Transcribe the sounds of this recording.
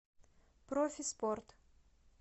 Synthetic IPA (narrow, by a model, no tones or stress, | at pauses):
pɾofʲɪsport̪